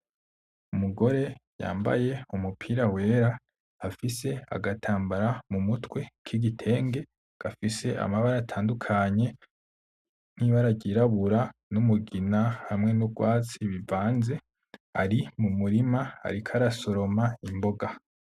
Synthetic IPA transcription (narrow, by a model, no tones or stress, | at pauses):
umuɡo̞ɾe̞ja̰ːmba̰je̞umupʰiːɾawe̞ːɾaː | fise̞a̰ɡatʰaːmbaɾamumutwe̞kʰiɡitʰe̞ːŋɡe̞ | ɡ̥afise̞ʔa̰maβaɾatʰaːndukʰaɲe̞ | n̥hiβaɾaɟiɾaβuɾanumuɡinahamŋe̞nuɡwaːt͡siβivaːnze̞ | a̰ɾimumuɾimaa̰ɾikʰaɾaso̞ɾo̞maimbo̞ɡa